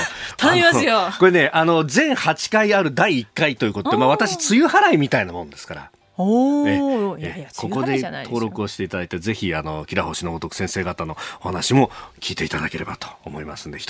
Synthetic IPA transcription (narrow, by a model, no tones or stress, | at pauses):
t̪imaɨjoko̞ɾe̞ne̞ʔano̞zẽ̞ŋ̃hat͡ɕi̥kaiaɾɯ̟d̪aiːkːait̪o̞jɯ̟kot̪od̪emaβat̪aɕit͡sɨjɯ̟haɾaimʲit̪ainamõ̞nd̪e̞sɨ̥kaɾa̰ | eekʰo̞ko̞d̪e̞t̪ʰo̞ːɾo̞kɯo̞ɕi̥t̪e̞it̪ad̪ait̪aze̞çiano̞kʲiɾaho̞ɕinoɡot̪o̞kɯ̟̥sẽse̞ːɡat̪ano̞ohanaɕimo̞kʲiːt̪e̞it̪ad̪ake̞ɾe̞bat̪o̥ːmo̞ima̰sɨ̃nd̪eit̪